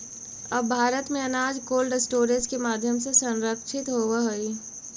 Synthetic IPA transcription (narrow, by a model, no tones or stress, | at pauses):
ɐbːbʱaːɾət̪mẽɐnaːd͡ʒkoːlɖɪsʈoːɾed͡ʒkemaːd̪ʱjəmsesɐ̃nɾəkʃɪt̪ɦoːʋaɦoi